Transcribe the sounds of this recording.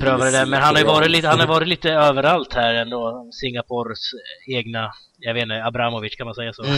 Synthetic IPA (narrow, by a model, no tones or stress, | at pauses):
pʰɾøːvad̪əd̪ɛmɛnɦanhaɾjʏvɑːɾɪt̪liːt̪hanhaɾjvɑːɾɪt̪liːt̪əøːvəɾalt̪hæɾɛnd̪oːɔmsɪŋːapʰɔɾseːɡna | javeːt̪nabɾamɔvɪt͡ʃːkʰanmansɛjːasɔː